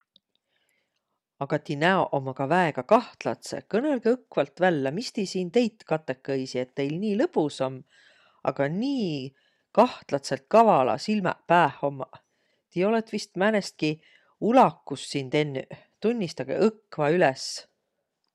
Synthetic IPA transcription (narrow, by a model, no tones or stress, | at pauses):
ɑɡ̥ɑt̪inæoʔomːɑkɑvæeɡ̥ɑkɑht̪lɑ̰t̪sḛkɤne̞lɡ̥eɤkːvɑlt̪vælːɑmist̪ejsiːnt̪e̞jt̪ːkɑt̪ːˑekːɤjsie̞t̪ːe̞jlniːlɤpusomː | ɑ̰ɡ̥ɑniː | kɑht̪lɑt̪se̞lt̪̚kɑvɑlɑ̰silmɑ̰pæːho̞mːɑ | t̪io̞let̪ːvist̪mænest̪̚ki | ulɑkːˑusːint̪e̞nːy̰ | t̪unʲːist̪ɑɡ̥ḛʔɤkːˑvɑylɛs